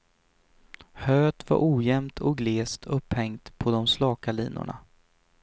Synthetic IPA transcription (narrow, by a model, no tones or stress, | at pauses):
høːt̪va̰ɾʔuːjɛmt̪ʰɔk̚ɡleːst̪ʰɵpːhɛŋt̪pʰɔd̪ɔmslɑːkalḭːnʊ̰ɳa̰